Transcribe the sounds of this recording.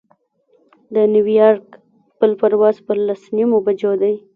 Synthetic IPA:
d̪əniwijɑɾk | pəlpaɾwɑzpəlasnimobad͡ʒod̪aj

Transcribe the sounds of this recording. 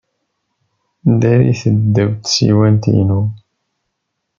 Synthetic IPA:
nd̪æɾḭθəd̪ːæwt̪sḭwænt̪ḭnu

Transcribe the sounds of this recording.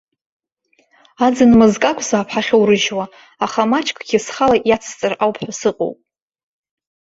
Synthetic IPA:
ad͡zɨnmɨzkʼakʷʼʰzaːpʰħaχʲowɾɨʒwaː | χamat͡ʃʰʼkʰʼɡʲɪsχalaʔjat͡sʰt͡sʼɨrawpʰħʷᶣasɨqʼo̰wpʼ

